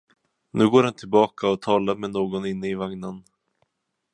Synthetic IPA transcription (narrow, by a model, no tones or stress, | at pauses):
nʉ̟ːɡoːɾhɛnt̪ʰɪlbɑːkaɔt̪ʰɑːlaɾmɛnoːɡɔnɪnːəɪvaŋnən